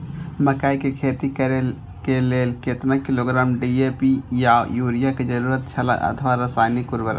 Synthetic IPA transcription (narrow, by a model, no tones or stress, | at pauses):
məkaːikekʰeːt̪ikəɾel | keleːlket̪ɾãkiloːɡɾaːmɖiepijajuːɾijaked͡ʒəɾuːɾət̪̚t͡ʃʰəla̰ʔə̰t̪ʰəʋaɾəsaːɪnikuɾbəɾ̰